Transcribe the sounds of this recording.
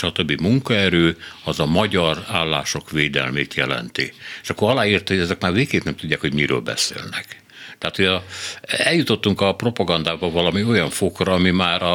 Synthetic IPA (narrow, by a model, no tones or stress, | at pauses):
ʃɒt̪øbːimuŋkɒɛɾøːɒzɒmɒɟɒraːlːa̰ːʃo̞kʋeːd̪ɛ̰lmeːt̪jɛlɛ̰nt̪ieːʃɒkːoɾɒlaːiːrt̪ɒhoɟɛzɛkmaːrveːkeːt̪nɛmt̪uɟːaːkho̞ɟmiɾø̰ːlbɛ̰sḛːlnɛk | t̪ɛaːt̪hoɟɒ | ɛljut̪o̞t̪ːuŋkɒpro̞pɒɡɒnd̪aːbɒvɒlɒmio̞jɒɱfokrɒɒmimaːɾɒ